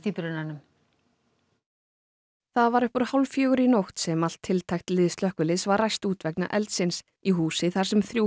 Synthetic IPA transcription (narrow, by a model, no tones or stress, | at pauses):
θiːpɾʏnːanʏm | θaðvaɾʏhpʏɾ̥hawlfjœːɣʏɾinowxt̪sɛmal̥t̪ʰːɪlt̪ʰajxt̪lɪːðst̪lœhkʏlɪðsvaɾrajst̪uːt̪vɛkna̰ʔɛlt̪sɪns | iɦuːsɪθaɾ̥sɛmθɾju